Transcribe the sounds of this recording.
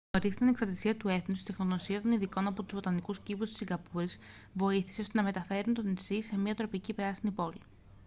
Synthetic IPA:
oɾizt̪ɐneksɐɾt̪isiɐt̪ue̞θnust̪it̪enoðo̞siɐt̪o̞niðiko̞nɐpo̞t̪uzvo̞t̪ɐnikuscipust̪i̥siŋɡɐpuɾiz̥ | vo̞iθi̥seo̞st̪e̞nɐme̞t̪ɐfe̞ɾunt̪o̞nisise̞miɐt̪ɾo̞picipɾɐsinipo̞li

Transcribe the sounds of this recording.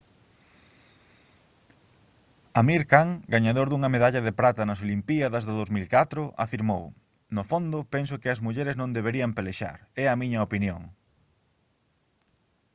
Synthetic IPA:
ɐmiɾkaŋɡaɲaðoɾðuŋɐmeðaʎɐðɪpɾat̪ɐnɐsolimpiɐðɐzðʊðowzmilkat̪ɾʊʔa̰fiɾmow | nofond̪ʊpɛns̬ʊkɪɐzmuʎɛɾeznõnd̪eβ̞eɾiɐmpeleʃa̰ɾɛɐmiɲɐopinjo̰ŋ

